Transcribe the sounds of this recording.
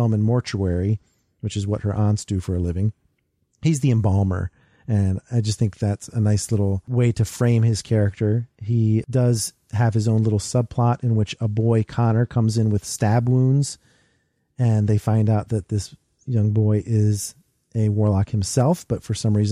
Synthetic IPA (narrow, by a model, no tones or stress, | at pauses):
lˠmɨ̃nmɔɹt͡ʃuɛɹi | wɨt͡ʃɨzwʌ̰t̚hə̰˞ʔɑ̃ntsd̥ɨfə˞lɪvɪ̃ŋ | hizðiɨ̃mbɑlˠmə̰˞ | ɨ̃naɪd͡ʒʌst̪θɪ̃ŋk̚ðætsɨnaɪslɪɾl̩ˠweɪɾɨfɹẽɪ̃mɪz̥kʰɛɹɨk̚tʰə˞idʌz̥ | ɨv̥ɨzõʊ̃nlɪɾl̩ˠsʌb̚pʰl̥ɑɾɨ̃nwɨt͡ʃəbɔɪkʰɑnə˞kʰʌ̃mzɨ̃nwɨð̥stæbwũnz̥ | ɨ̃nðeɪfãɪ̃ndaʊt̪̚ðɨt̪̚ðɪs | jʌ̃ŋbɔɪʔɪz | ʔɨwɔɹlɑkhɨ̃m̩sɛlˠfb̥ʌtfə˞sʌ̃mɹiz